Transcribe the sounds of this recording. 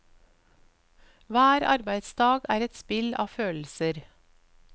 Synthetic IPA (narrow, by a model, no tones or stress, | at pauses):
ʋæːɾɑ̰ɾbæɪd̪sd̪ɑːɡæːɾɛt̪spɪlʔɑ̰ːføːl̩səɾ